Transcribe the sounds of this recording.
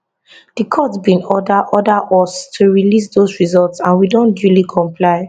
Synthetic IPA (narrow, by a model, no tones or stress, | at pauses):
d̥ikʰɔtbĩnɔdaʔɔdaʔɔstʰuɹilis̬dosɹizɔltsãnwidõndjulikʰɔ̃mplaɪ